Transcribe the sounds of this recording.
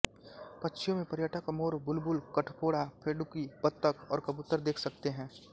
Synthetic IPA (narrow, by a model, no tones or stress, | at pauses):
pɐtːʃʰijõmẽpɐɾjəʈʰəkɐmoːɾbʊlbʊlkɐʈʰpoːɽapʰeːɖʊkipət̪ːəkɔːɾkɐbʊt̪ːəɾd̪eːkʰsɐk̚t̪eɦɛ̃ː